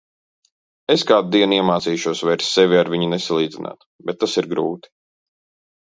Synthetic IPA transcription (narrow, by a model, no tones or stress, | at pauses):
eskaːd̪̚d̪iɛniɛmaːt̪siːʃuɔsvɛjɾsːɛvʲiaɾviɲunesalˠiːd̪zinʔa̰ːt̪ | bɛt̪ːasiɾɡɾuːt̪i̥